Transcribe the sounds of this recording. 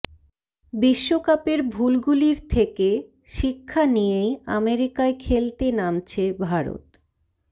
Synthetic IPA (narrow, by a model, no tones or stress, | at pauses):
biʃːokapeɾbʱulɡuliɾt̪ʰeke | ʃikʰːanijea̰meɾikaekʰelt̪enamt͡ɕʰebʱaɾo̰t̪